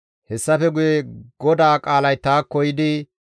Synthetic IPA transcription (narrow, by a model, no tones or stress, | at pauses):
hɛsːɐfɛɡʊjeɡɔd̪aːkʼaːlɐjt̪aːkːɔjɪd̪ɪ